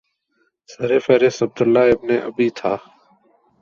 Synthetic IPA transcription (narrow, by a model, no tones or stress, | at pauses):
səɾeːfɛːɾɪsəb̚d̪əlːaːɪbneːʔəbiːt̪ʰaː